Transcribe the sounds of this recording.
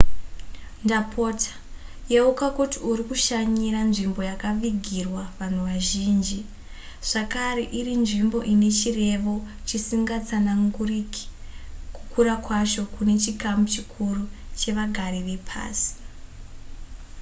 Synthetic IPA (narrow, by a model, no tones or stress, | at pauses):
ndapʰo̞tʰḁ | jeukakutiuɾikuʃaɲiɾanʐimbo̞jakaʋiɡʱirwaʋan̤uʋaʒiːnd͡ʒi | ʐ̥akaɾeʔirinʐimbo̞ʔine̞t͡ʃire̞ʋo̞ | t͡ʃisiŋɡat͡sanaŋɡuriki̥ku̥kuɾakwat͡ʃo̞kune̞t͡ʃikamut͡ʃikʰurut͡ʃe̞ʋaɡʱaɾiʋe̞pʰa̰ːsi̥